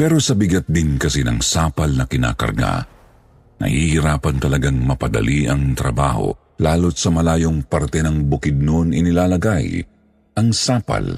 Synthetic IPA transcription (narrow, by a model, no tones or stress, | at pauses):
pɛɾo̞sɐbɪɡɐt̪̚d̪ɪnkɐsinɐ̰ŋsaːpɐlnɐkɪna̰ːkɐ̰ɾɡa̰ | nɐ̰hihiɾaːpɐnt̪ɐlɐɡaŋmɐpɐd̪ɐ̰liʔɐŋt̪ɾɐ̰ba̰ːho̞̰ | laːlot̪̚sɐmɐlaːjo̞ŋpɐɾt̪ɛnɐŋbʊkɪd̪̚nonɪnɪlaːlɐɡaj | ʔɐŋsaːpɐ̰l